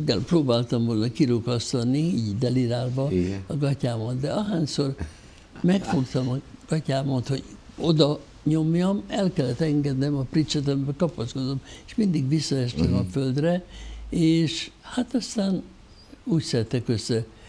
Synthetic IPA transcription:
ɡːɛlproːbaːlt̪ɒmvo̞lnɒkiɾokɒst̪ɒnːiiːɟd̪ɛliɾaːlbɒɒɡɒcaːmot̪d̪ɛɒɦaːɲsor | mɛkfo̞kt̪ɒmɒɡ̥ɒcaːmot̪ho̞̰ɟ | o̞d̪ɒ | ɲo̞mjɒmɛlkɛlːɛt̪ɛŋɡɛd̪nɛmɒprit͡ʃɛt̪ɛmbɛkɒpɒsko̞d̪ome̥ʃmind̪iɡʋisːɒɛʃt̪ɛmɒføld̪rɛeːʃhat̪ɒst̪aːn | uːcsɛɛt̪ːɛkøsːɛ

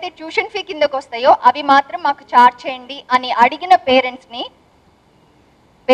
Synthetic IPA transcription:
t̪eːt͡ʃuːʃɐnpʰiːkind̪ɐkʋɐst̪ɐːjoːʔɐʋimaːt̪ɾɐmːaːku̥t͡ʃaːɾt͡ʃeːjɐɳɖiʔɐniʔɐɽiɡinɐpeːɾeɳʈsni | ʋe

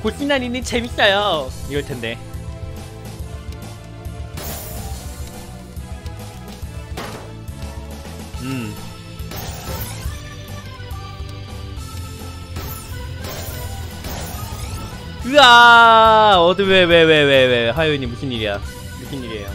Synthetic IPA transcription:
kuɭk͈inːaninːɯnt͡ɕʰemit̚k͈ajoiɡʌɭtʰende̞ | ɯm | ɯa | ʌdɯwewe̞weweweeɦajoiɲːimːukʰiɲiɾija | mukʰiɲːiɾiɦejo

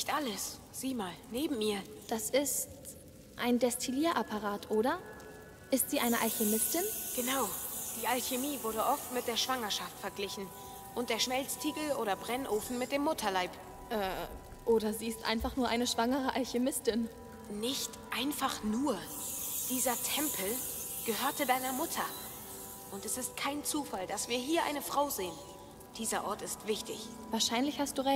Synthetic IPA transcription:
nɪçtʔaləs | z̥iːmaːlneːbm̩miːɐd̥asɪst | ʔaɪndɛstʰiliːɐʔapʰaʁaːtʰʔoːɾɐ | ʔɪstz̥iːʔaɪnəʔalçemɪstɪnɡ̥ənaʊd̥iːʔalçemiːvʊɐdəʔɔftmɪt̚d̥eːɐʃv̥aŋɐʃaftfɛɐɡlɪçn̩ | ʔʊnt̚d̥eːɐʃmɛlt͡stʰiːɡl̩ʔoːɾɐbʁɛnʔoːfn̩mɪt̚d̥eːmːʊtʰɐlaɪp | ʔɛː | ʔoːɾɐziːɪstʔa̰ɪnfaχnuːɐʔaɪnəʃv̥aŋəʁ̞əʔalçemɪstɪn | nɪçtʔaɪnfaχnuːɐ | d̥iːzɐtʰɛmpʰl̩ | ɡ̥əɦøːɐtədaɪnɐmʊtʰɐ | ʔʊntɛsɪst̚kʰaɪnt͡suːfald̥asv̥iːɐɦiːɐʔa̰ɪnəfʁ̥aʊzeːən | d̥iːzɐʔɔɐtɪstv̥ɪçtɪ̰ç | vaːɐʃaɪnlɪçhast̚d̥uːʁɛ

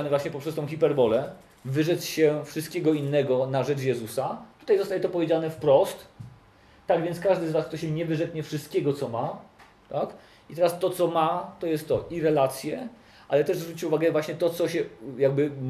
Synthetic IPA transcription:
nɛvwaɕɲɛpɔpʂɛst̪ɔ̃w̃xʲipɛɾbɔlɛ | vɘʐɛt̪sɕɛfʂɨst̪̚kʲɛɡɔinːɛɡɔnaʐɛt͡ʂjɛzusat̪u̥t̪ajzɔst̪ajɛt̪ɔpɔvʲed͡ʑanɛfpɾɔst̪ː | aɡvʲɛnt̪skaʐd̪ɘzvast̪ɔɕɛɲɛvɘʐɛt̪ɲɛfʂɨst̪̚kʲɛɡɔt̪sɔma | t̪ak | it̪ɛɾast̪ɔt̪sɔmat̪ɔjɛst̪ːɔʔiɾɛlat̪sʲjɛ | ʔalɛt̪ɛʐzvɾut͡ɕit͡ɕuvaɡɛvwaɕɲɛt̪ɔt̪sɔɕɛjaɡ̚bɘ

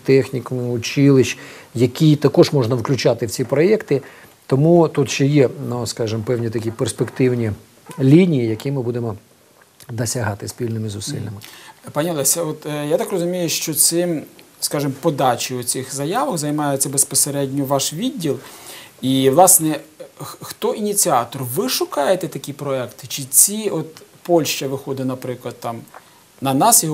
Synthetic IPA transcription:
t̪ɛxnʲikʊmɪʊt͡ʃɪlˠɪʃjɐkʲijt̪ɐkɔʒmɔʐnɐwklʲʊt͡ʃat̪ɪwt͡sʲipɾɔjɛkt̪ɪ | t̪ɔmut̪ut̪ʃt͡ʃɛjɛnuskɑʒɪmpɛwnʲit̪ɐkʲiperspekt̪ɪwnʲi | lʲinʲijijɐkʲimɪbud̪emɔ | d̪ɐsʲɐɦɑt̪ɪsʲpʲilʲnɪmɪzʊsɪ̰lʲnɪmɪpɑnʲiɔlˠɛsʲɐɔt̪jat̪ɑkrɔzʊmʲijʊʃt͡ʃɔsɪmskɑʒɪmpɔd̪ɑt͡ʃiʊt͡sʲɪxzɐjɑʋɐxzɐjmɑjʊt͡sʲːɐbespɔseɾɛdʲnʲɔʋɑʃʋʲidʲːilˠiʋlˠɑsnɛ | xt̪ɔʔinʲit͡sʲiɑt̪ɔrʋɪʃʊkɑjet̪ɛt̪ɐkʲipɾɔɛkt̪ɪ̥t͡ʃɪt͡sʲiɔt̪pɔlʲʃt͡ʃɐʋɪxɔd̪ɪnɐpɾɪklˠɐd̪̚t̪ɑm | nɐnɑsjɔɦ

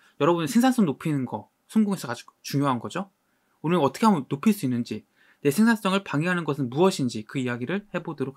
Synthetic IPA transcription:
jʌɾʌbunɯsʰe̞ŋsʰans͈ʌŋnopʰinɯnɡʌ | sʰʌnɡoŋes͈ʰʌkad͡ʑo̥kt͡ɕuŋjoɦanɡʌd͡ʑo | unɯʌt͈ʰʌkʰeamunopʰiɭs͈uinːɯnd͡ʑi | ne̞sʰe̞ŋsʰans͈ʌŋɯɭpaŋiɦanɯnɡʌsʰɯnbuʌɕʰind͡ʑikɯijaɡiɾɯɭhe̞bodʌɾok̚

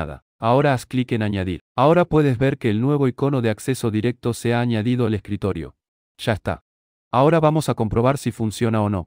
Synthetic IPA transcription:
ða̰ | ao̞ɾaːsklikenaɲaðḭɾao̞ɾapwe̞ðe̞zβe̞ɾke̞ːlnwe̞β̞o̞iko̞no̞ðe̞akse̞so̞ðiɾe̞k̚t̪o̞seaːɲaðið̞oaleskɾit̪o̞ɾjo̞̰ | ʒ̥aest̪a̰ | ao̞ɾaβamo̞sako̞mpɾo̞β̞aɾsifunsjo̞nao̞no̞̰

